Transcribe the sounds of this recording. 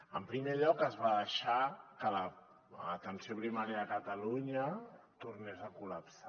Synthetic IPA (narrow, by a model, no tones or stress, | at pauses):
əmpɾimeʎɔkəzβaðəʃakələ | ət̪ənsioβɾimaneaːkət̪əluɲə | t̪urnezəkuləpsa